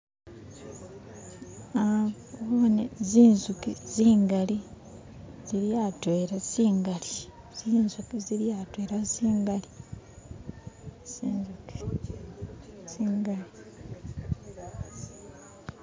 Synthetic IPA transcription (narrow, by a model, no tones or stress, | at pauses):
a | βoneziːnzukiziːŋɡali | z̥iɾjatweɾasiːŋɡali | z̥iːnzukiziljatweːɾasiːŋɡali | siːnzuki̥ | siːŋɡali